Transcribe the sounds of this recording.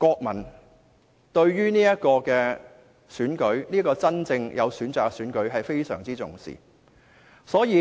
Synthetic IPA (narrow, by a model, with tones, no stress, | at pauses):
kɔː˧k̚mɐ˨˩n | t̪ɵ˧ɥɥyː˥niː˥jɐ˥t̚kɔː˧kɛː˧ | syː˨˥nkɵ˨˥ɥniː˥kɔː˧t͡sɐ˥nt͡sɪ˧ŋjʔɐ̰˨˧wsyː˨˥nt͡saː˨k̚syː˨˥nkɵ˨˥ɥɦɐ˨jfe˥jsœ̰ː˨˩ŋt͡siː˥t͡sʊ̰˨˩ŋsḭː˨ | sɔː˨˥jiː˨˧